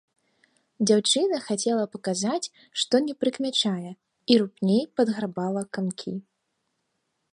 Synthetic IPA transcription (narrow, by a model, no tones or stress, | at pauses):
d͡zʲawt͡ʂɨnɐxat͡sʲɛlˠɐpɐkazat͡sʲ | ʂt̪ɔnʲɛpɾɨkmʲat͡ʂajɛ | iɾupnʲejpɐd̪ɣɾabalˠɐkamkʲʰi